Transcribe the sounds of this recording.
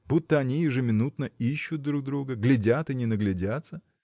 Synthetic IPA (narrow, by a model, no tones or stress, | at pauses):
but̪ːəɐnʲijɪʐɨmʲɪnut̪nəiɕːʊt̪̚d̪ɾuɡ̚d̪ɾuɡəɡlʲɪdʲat̪ɨnʲɪnəɡlʲɪdʲat̪sə